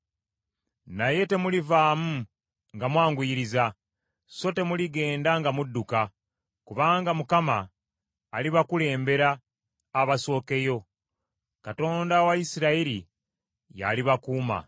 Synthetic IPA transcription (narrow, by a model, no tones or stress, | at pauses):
naje̞te̞mulivaːmu | ŋɡamwaːŋɡujiɾiza | so̞te̞muliɡe̞ːndaŋɡamudːuka | kuβaːŋɡamukamaː | liβakule̞ːmbe̞ɾaː | βaso̞ːke̞jo̞ | kato̞ːndawaisiɾaiɾi | ja̰liβakuːma̰